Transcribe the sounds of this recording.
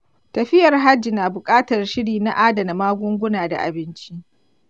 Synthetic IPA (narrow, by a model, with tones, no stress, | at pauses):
tɐ˨ɸɪ˦jɐ˨rɦa˦d͡ʒi˨naː˨bʊ˨kʼaː˦tɐ˨rʃɪ˦ɽiː˨na˦ʔaː˦dɐ˨na˨maː˦ɡʷʊ˦ŋɡʷʊ˦naː˨da̰˨ʔa̰˨bɪ˦nt͡ʃi˦ʔ